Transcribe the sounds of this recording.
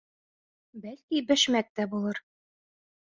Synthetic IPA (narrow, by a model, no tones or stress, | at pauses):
bælkibɘ̆ʃmæk̚t̪æbulˠɤɾ